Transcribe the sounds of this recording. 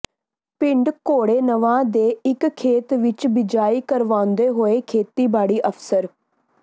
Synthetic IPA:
pɪ̃ɳɖkoːɽeːnəʋãːd̪eːɪkkʰːeːt̪ʋɪt͡ʃbɪd͡ʒaːiːkəɾʋãːnd̪eːɦoːeːkʰeːt̪iːbaːɽiːʔəpsəɾ

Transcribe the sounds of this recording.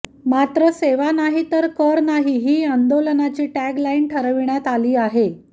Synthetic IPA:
mat̪ɾəseʋanaɦit̪əɾkəɾnaɦiɦiːənd̪olənat͡ɕiːʈæɡlainʈʰəɾʋiɳjat̪aliːaɦe

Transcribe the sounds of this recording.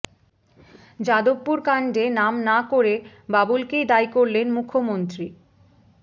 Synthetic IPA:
d͡ʑad̪opːuɾkaɳɖenamnakoɾe | babulkejd̪ajkoɾlenmukʰːomont̪ɾi

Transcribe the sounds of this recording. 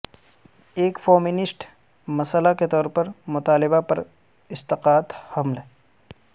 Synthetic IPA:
eːkfoːmɪnɪsʈ | mɐsəlaket̪ɔːɾpɐɾmʊt̪aːlɪbapɐɾ | ɪst̪ɪqaːt̪hɐmlɦɛ

